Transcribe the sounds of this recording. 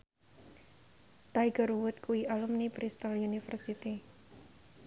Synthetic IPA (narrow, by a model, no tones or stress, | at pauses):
t̪ajɡəɾuwʊt̪̚kuiʔalumnipɾist̪alunifərsit̪i